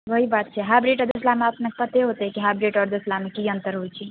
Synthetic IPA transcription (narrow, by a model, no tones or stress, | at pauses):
ʋəɦibat̪̚t͡ʃʰɛɦabɾiʈɔd̪eslameəpnekepət̪eɦot̪ɛkiɦabɾiʈɔɾd̪eslamekiənt̪əɾɦojt͡ʃʰi